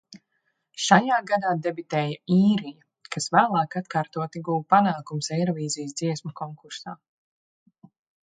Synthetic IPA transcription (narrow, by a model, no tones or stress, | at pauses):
ʃajaːɡad̪aːd̪ebit̪ɛːjaiːɾija | kasvæːlˠaːkat̪kaːɾt̪uɔt̪iɡuwpanaːkumsɛjɾɔviːzijsd̪ziɛsmɐkɔŋkuɾsaː